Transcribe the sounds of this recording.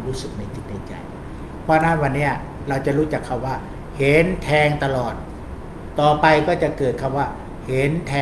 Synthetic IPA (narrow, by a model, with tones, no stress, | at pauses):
ɾuː˦˥sɯ˨˩k̚ma˧˩jt͡ɕi˨˩t̪̚na˧˩t͡ɕa̰˨˩j | pʰɔː˧˥naː˥˩wa˧nːi˦˥˩ɐ | ɾa˧wt͡ɕa˨˩ɾuː˦˥t͡ɕa˨˩kʰːa˧˩mwaː˥˩ | he˨˦nt̪ʰɛː˧ŋt̪a˧lɔː˨˩t̪̚ː | ɔː˨˩pa˧jkɔː˥˩t͡ɕa˨˩kɤː˨˩t̪̚kʰa˧˩mwaː˥˩ | he˨˦nt̪ʰɛː˧